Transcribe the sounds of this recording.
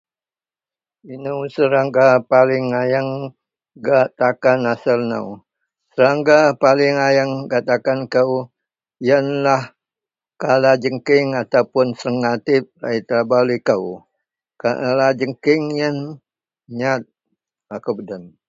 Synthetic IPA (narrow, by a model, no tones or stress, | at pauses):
inəwsəɾaŋɡapalɪŋajəŋ | ɡat̪akanasəlnə̰w | səɾaŋɡapalɪŋajəŋɡat̪akankəw | jənlah | kalad͡ʒəŋkɪŋat̪awpʊnsəŋat̪ɪp̚a̰it̪ɾabalikəw | ka̰lad͡ʒəŋkɪŋjən | ɲat̪̚ | akəwbədən